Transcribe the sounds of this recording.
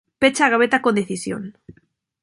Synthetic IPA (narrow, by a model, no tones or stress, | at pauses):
pet͡ʃaːɣaβ̞et̪akond̪eθisjo̰n